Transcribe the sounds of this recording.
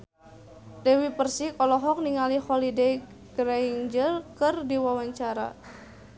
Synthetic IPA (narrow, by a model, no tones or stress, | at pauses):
dɛwipərsikɔlɔɦɔk̚niŋalihɔlidej | ɡɾaiŋd͡ʒəlkərdiwawaɲt͡ʃaɾa̰